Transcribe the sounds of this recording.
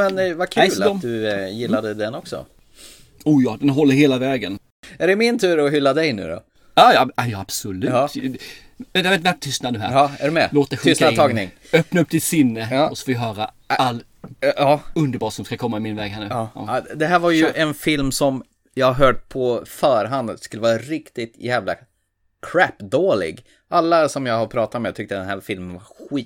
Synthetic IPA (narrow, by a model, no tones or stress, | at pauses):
mɛnvak̪ʰːɔmd̪ɵjɪlːad̪əd̪ɛnɔksɔ̰ | uːjɑːd̪ɛnɦɔlːəɾheːlavɛːɡən | æɖɛmɪnt̪ʰʉ̟ːɾɔɦʏlːad̪ɛjnʉ̟̰ːɾɔ̰ | jɑːjɑajɑab̥sɔlʉ̟ːt̪ | ɛvɛt̪væt̪ʰʏst̪nad̪əɦæ̰ɾæɖɛmɛloːt̪̚ɛɧstk̪ːɡnɪ̰ŋ | œpnaɵp̚ːd̪ɪt̪sɪnːəɔsɔ̥foːɦœːɾa | alː | ɵnd̪əɾbɑːsɔmskakʰɔmːaɪmɪnvɛːɡɦæɳʉɑ̰d̪ɛɦæːɾvaɾjɵʔɛnfɪlmsɔm | jɑhaɾɦœːʈ̚pʰɔfœːɾɦand̪skɵlːəvɑːɾaɾɪkt̪ɪt̪jæːvla̰ | kʰɾæpd̪oːlɪ̰ɡ | ʔalːasɔmjɑːɡhapʰɾɑːt̪at̪mɛt̪ʰʏk̚t̪əd̪ɛnɦæːɾfɪlmənvaɾɧiː